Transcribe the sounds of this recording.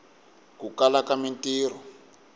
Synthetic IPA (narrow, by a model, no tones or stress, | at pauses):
kukalakamintiːr̤ɔ